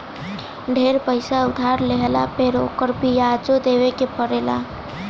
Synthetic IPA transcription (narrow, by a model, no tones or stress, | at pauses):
ɖʱeɾpəɪsaʊd̪ʱaɾleɦlapeɾoːkəɾbʱijad͡ʒod̪eːʋekepəɾela̰